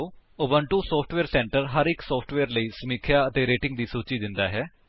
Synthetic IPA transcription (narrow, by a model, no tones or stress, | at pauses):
oːobəɳʈuːsoːpʰʈʋeːɾsɛ̃ːɳʈəɾɦəɾɪksoːpʰʈʋeːɾləiːsəmiːkʰjaːət̪eːɾeːʈɪŋɡ̚d̪iːsuːt͡ʃiːd̪ɪnd̪aːɦɛː